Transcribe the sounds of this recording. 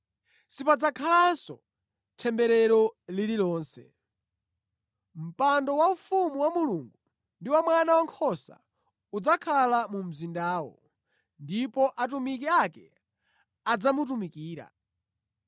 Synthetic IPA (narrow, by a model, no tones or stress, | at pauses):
sipad͡zakʰalansɔ | tʰɛmbɛɾɛɾɔlililɔːnsɛ̰ | m̩pandɔwaufumuwamuluŋɡu | ndiwamwanawaŋkʰɔsa̰ | ud͡zakʰalamum̩zindaːwɔ̰ | ndipɔʔat̬umik̬iakɛ | ad͡zamut̬umikiːɾa̰